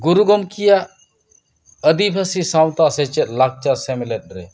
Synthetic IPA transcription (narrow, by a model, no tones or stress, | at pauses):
ɡuɾuɡɔmkijaʔ | əd̪ipʰəsisaw̃t̪aʔsɛt͡ʃɛt̪̚ˀlak̚t͡ʃasɛmɛlɛt̪̚ˀɾɛ